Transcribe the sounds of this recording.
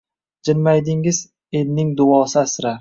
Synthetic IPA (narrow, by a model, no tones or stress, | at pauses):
d͡ʒɪnmajd̪ɪŋɪz | elnɪŋd̪ʊɒːsɪasɾa